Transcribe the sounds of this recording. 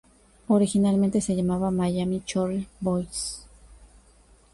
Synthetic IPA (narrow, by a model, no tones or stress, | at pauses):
oɾixinalment̪eseʝamaβamajamit͡ʃoɾibojs